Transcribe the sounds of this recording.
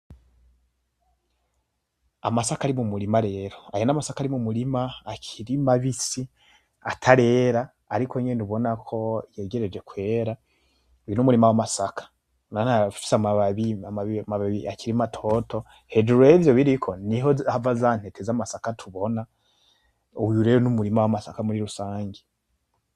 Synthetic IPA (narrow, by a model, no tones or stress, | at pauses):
a̰masakaɾimumuɾimaɾe̞ːɾo̞ajonamasakaɾimumuɾimaːkʰiɾimaβisi | atʰaɾe̞ːɾaː | ɾikoɲenuβo̞nakʰo̞jeɡe̞ɾe̞d͡ʒe̞kwe̞ːɾa | uinumuɾimawamasakʰḁ | nanafi̥samaβaβiamaβiamaβaβiakiɾimatʰo̞tʰo̞ | heduɾevjoβiɾikʰo̞niɦoavazan̥hetezamasakatʰuβo̞na | ujuɾeɾonumuɾimawamasakamuɾiɾusaːŋɡe